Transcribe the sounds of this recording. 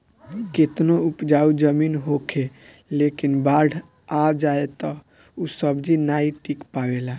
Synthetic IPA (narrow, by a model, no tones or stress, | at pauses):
ket̪noupd͡ʒaud͡ʒəminɦokʰe | lekinbaɖʱ | ad͡ʒaet̪ɔ | usəbd͡ʒinaiʈikpabela